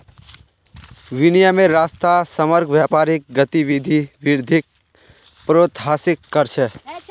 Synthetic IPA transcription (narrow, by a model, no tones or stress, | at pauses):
ʋɪnijamẽɾaːst̪asəməɾkʰʋjaːpaːɾɪk̚ɡət̪iʋid̪ʱiʋɪɾd̪ʱɪk̚ | pɾoːt̪ɦaːsɪkːəɾt͡ʃʰɛ